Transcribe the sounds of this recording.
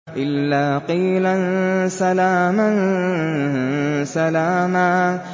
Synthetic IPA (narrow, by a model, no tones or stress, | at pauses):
ʔɪlːaːqiːlansalaːman | salaːmaː